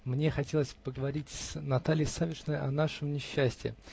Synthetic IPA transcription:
mnʲexɐtʲelˠəsʲpəɡəvɐɾʲitʲsnɐt̪alʲɪjɪsavʲɪʂnəjʔɐnaʂəmnʲɪɕːæsʲtʲɪ̰

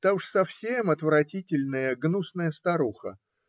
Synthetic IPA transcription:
t̪auʂsɐfsʲemɐt̪vɾɐtʲitʲɪlʲnəjəɡnusnəjəst̪ɐɾuxə̰

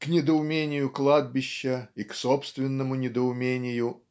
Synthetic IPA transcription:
knʲɪd̪əʊmʲenʲɪjʊklˠad̪̚bʲɪɕːəiksopst̪vʲɪnːəmʊnʲɪd̪əʊmʲenʲɪjʊ

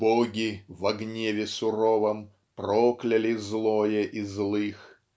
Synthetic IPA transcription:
bɔɡʲivɐɡnʲevʲɪsʊɾɔvɐm | prɔklʲɐlʲɪzlˠɔjɛʔizlˠɨx

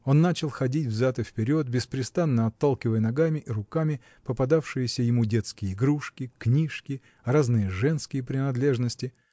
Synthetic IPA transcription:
o̞nːat͡ɕɪlˠxɐdʲitʲvzʲat̪ɨfpʲɪɾʲo̞t̪̚bʲɪspɾʲɪst̪anːəɐt̪ːalˠkʲɪvəjənɐɡamʲɪʔiɾʊkamʲɪ | pəpɐd̪afʂɨjɪsʲəjɪmudʲet̪skʲɪjəɪɡɾuʂkʲɪknʲiʂkʲɪ | ɾaznɨjəʐɛnskʲɪjəpɾʲɪnɐd̪lʲe̞ʐnəsʲtʲɪ

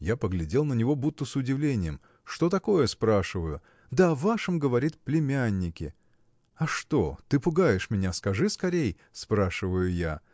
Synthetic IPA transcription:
japəɡlʲɪdʲe̞lˠnənʲɪvo̞but̪ːəsʊdʲɪvlʲenʲɪjəm | ʂt̪o̞t̪ɐko̞jəspɾaʂɨvəjʊ | d̪əɐvaʂɨmɡəvɐɾʲit̪̚plʲɪmʲanʲːɪkʲɪ̰ | ɐʂt̪o̞t̪ɨpʊɡajɪʂmʲɪnʲaskɐʐɨskɐɾʲej | spɾaʂɨvəjʊja̰

